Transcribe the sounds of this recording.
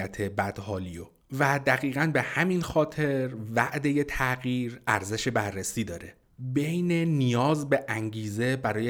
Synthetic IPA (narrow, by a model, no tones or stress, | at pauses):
æt̪ʰe̞bæd̪̥hɒːlijo | væd̪æɣiːɣænbe̞hæminxɒːt̪ʰe̞ɾvæʔd̪e̞jet̪ʰæɣiːɾæɾze̞ʃe̞bærːesiːd̪ɒːɾe̞ | be̞jnenijɒːzbe̞ʔæŋɟiːze̞bæɾɒːje